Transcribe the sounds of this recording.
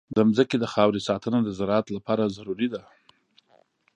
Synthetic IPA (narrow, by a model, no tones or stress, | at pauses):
d̪əmzəked̪əxɑwɾisɑt̪ənad̪əzaɾɑat̪lapɑɾazaɾuɾid̪a